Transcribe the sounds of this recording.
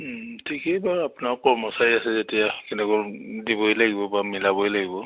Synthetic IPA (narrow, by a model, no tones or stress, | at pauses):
tʰikejbaapnakɔmɔsajasɛzetijakɛnɛkɔdibɔjlaɡibɔbamilabɔjlaɡibɔ